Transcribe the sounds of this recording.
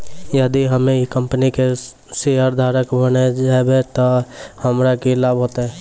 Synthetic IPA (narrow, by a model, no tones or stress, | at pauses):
jəd̪iɦəmẽekəmpənike | seaɾd̪ʱaːɾəkbəned͡ʒaːebet̪ohɐmɾakilaːbɦoːt̪eɦɛ̃ː